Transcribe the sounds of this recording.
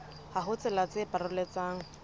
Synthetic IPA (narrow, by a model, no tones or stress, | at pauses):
haɦʊt͡sʼɪlat͡sɪpʼarʊlet͡saːŋ̩